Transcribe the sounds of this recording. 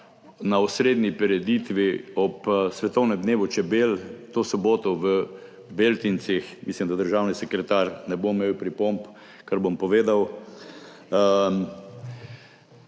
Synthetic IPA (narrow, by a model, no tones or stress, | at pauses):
naɔsɾeːd̪nipɛɾɛd̪it̪ʋiɔpsʋɛt̪ɔwnɛmd̪neːʋɔt͡ʃɛbelt̪oːsɔboːt̪ɔʋə | belt̪int͡ssixmislimd̪ad̪əɾʒaːwnisɛkɾɛt̪aɾnɛbomeːwpɾipomp | kaɾbompɔʋeːd̪aw